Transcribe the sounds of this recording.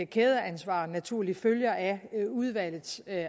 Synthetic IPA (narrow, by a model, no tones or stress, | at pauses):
kʰeːð̞ˠɐænsʋɑ̰̈ːnæt͡sʰuɐ̰liføljɐʔæuð̞ˠʋæl̰ð̩ˠs